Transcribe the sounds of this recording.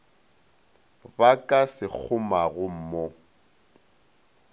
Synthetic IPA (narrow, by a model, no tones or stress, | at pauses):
bakʼasɪk͡xʰʊmaɣʊm̩mo